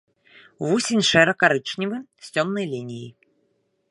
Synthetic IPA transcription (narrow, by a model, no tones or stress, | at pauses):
vusʲinʲʂɛɾɐkaɾɨt͡ʂnʲivɨsʲt͡sʲɔmnɐjlʲinʲijḭ